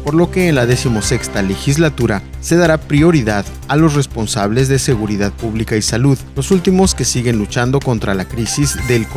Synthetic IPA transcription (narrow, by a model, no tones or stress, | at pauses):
po̞ɾlo̞ke̞ːnlaðe̞simo̞se̞kst̪ale̞xizlat̪uɾase̞ðaɾapɾio̞ɾiðað | alo̞sre̞spo̞nsaβle̞zðe̞se̞ɣuɾiðaðpuβlikaisaluðlo̞sult̪imo̞ske̞siɣe̞nlut͡ʃand̪o̞ko̞nt̪ɾalakɾisizðe̞lk